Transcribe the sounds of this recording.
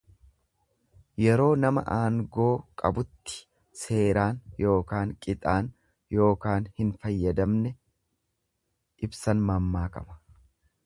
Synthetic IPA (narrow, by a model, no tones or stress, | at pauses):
jɛɾo̞ːnɐmɐ̰ʔaːŋɡo̞ːkʼɐbʊt̪ːɪ̥ | se̞ːɾaːnjo̞ːkaːŋkʼɪt̪ʼaːn | jo̞ːkaːnhɪnfɐjːɐd̪ɐmnɛ | ʔɪbsɐnmɐmːaːkʼɐ̰mɐ̥